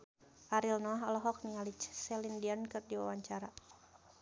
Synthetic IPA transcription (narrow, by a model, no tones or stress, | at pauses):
ʔaɾilnɔɦɔlɔɦɔk̚niŋalit͡ʃsɛlindiankɨrdiwa̰waɲt͡ʃaɾa